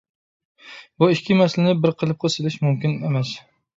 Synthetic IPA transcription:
buikʲʰːimɛslɪnɪbɪɾqʰəlˠɨp̚qʰəsɪlɪʃmumkʲinemɛs

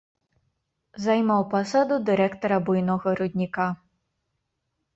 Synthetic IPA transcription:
zajmawpasad̪ud̪ɨɾɛkt̪ɔɾɐbujnɔɣɐɾud̪ʲnʲika

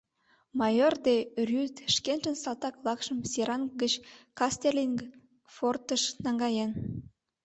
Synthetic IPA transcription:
mɑjord̪erʲyt̪ʃkenʒə̆nsɑlt̪ɑklˠɑkʃə̆msʲiɾʔɑnɡət͡ɕkɑst̪erlʲiŋɡ | fort̪əʃnɑŋɡɑjen

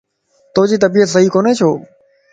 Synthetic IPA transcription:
t̪oːd͡ʑiːt̪əbiːət̪səɦiːkoːneːt͡ʃʰoː

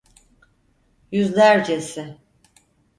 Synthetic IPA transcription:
jyzlʲæɾd͡ʒesɪ

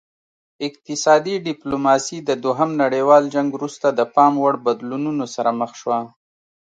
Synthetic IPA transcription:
ɪq̚t̪ɪsɑd̪iɖɪplomɑsid̪əd̪oɦamnaɽewɑld͡ʒaŋɡwɾust̪ad̪əpɑmwaɽbad̪lununosaɾaməxʃwa

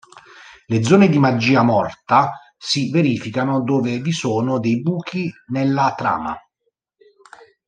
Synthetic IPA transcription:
led̪zːɔːned̪imad͡ʒːiːamɔrt̪a | siveɾiːfikanod̪oːvevisɔːnod̪ɛjbuːkʰinelːat̪ɾa̰ːma̰

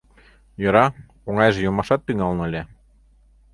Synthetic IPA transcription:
jɤ̆ɾɑ | oŋɑjʒĕjomɑʃɑt̪ːyŋɑlnolʲe

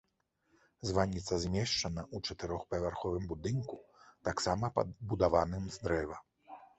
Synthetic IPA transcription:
zvanʲːit̪sɐzʲmʲɛʂt͡ʂɐnɐʔut͡ʂɐt̪ɨɾɔxpɐvʲarxɔvɨmbud̪ɨnkut̪aksamɐpɐ̰bud̪avanɨmzd̪ɾɛvɐ

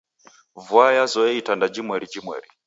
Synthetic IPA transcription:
vwajazɔitʰandad͡ʒimwɛɺid͡ʒimwɛ̰ːɺi

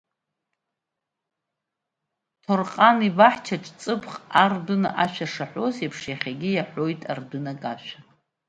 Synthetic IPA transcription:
tʰorqʼanibaħt͡ʃʰaʈ͡ʂʼt͡sʼɨpʰχardɨnaʔaʃᶣaʂaħʷo̞zepʰʂjaχʲaɡʲijaħʷo̞jtʼa̰rdɨnakʼaʃᶣa

